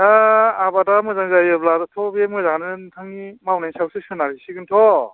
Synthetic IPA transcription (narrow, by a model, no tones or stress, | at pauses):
aabadamɯzaŋzajɯbladɯtʰɔbemɯzaŋnɯntʰɯŋimawnajsawsɯsɯnaɾisiɡɯntʰɔ